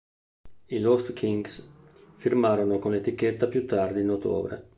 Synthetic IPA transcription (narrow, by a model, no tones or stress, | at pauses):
ilost̪kʰiŋɡs | firmaɾonokonlet̪ikːet̪ːapjut̪ːard̪iːnot̪o̰ːbɾḛ